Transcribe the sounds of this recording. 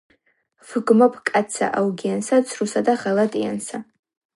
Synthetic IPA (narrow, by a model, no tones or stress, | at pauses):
fɨɡmapʰʼkʼat͡sʰa̰ʔawɡʲijansat͡sʷʰrusatʼaχalatʼija̰nsa